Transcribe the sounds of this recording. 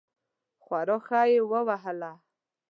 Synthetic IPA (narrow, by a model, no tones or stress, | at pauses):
xwaɾoxɑjewəwaɦəla